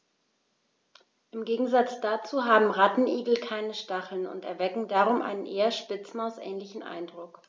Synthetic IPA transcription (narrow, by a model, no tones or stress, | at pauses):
ʔɪmɡeːɡŋ̩zat͡sd̥aːt͡suːɦaːbm̩ʁatn̩ʔiːɡl̩kʰaɪnəʃtaχl̩nʊ̰ntɛ̰ɐvɛkŋ̩daːʁʊmʔa̰ɪnənʔeːɐʃpɪt͡sm̩aʊsʔɛ̰ːnlɪçn̩ʔa̰ɪndʁʊk